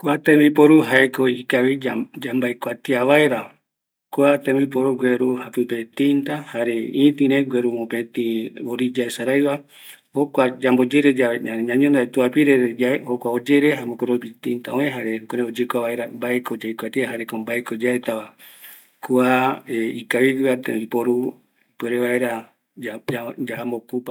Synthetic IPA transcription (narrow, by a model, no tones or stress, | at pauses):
kuat̪ẽmipoɾuɦaekoikaβiad͡ʒambaekʷat̪iaβaeɾa | kuat̪ẽmbip̬oɾuɡʷweɾuhapɨpet̪int̪ahaɾeĩt̪ĩɾeɡʷweɾumopet̪ĩoɾid͡ʒaesaɾajβa | hokʷad͡ʒambod͡ʒeɾed͡ʒaaɲãɲõnd̪aet̪uapiɾeɾed͡ʒaehokʷaod͡ʒeɾeɦamokoɾopit̪ĩnt̪a̰õẽɦaɾekoɾẽod͡ʒekʷaβae̞ɾambaekod͡ʒajkʷat̪iaɦaɾekombaekod͡ʒaet̪aβa | kuaeikaβiɡɨat̪ẽipoɾu | peɾeβae̞ɾa | ad͡ʒad͡ʒahambokupa